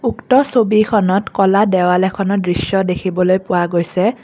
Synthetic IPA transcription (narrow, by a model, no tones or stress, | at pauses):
uktɔsobikʰɔnɔtkɔladɛwalɛkʰɔnɔt̚dɹisjɔdekʰibɔlojpʊwaɡojsɛ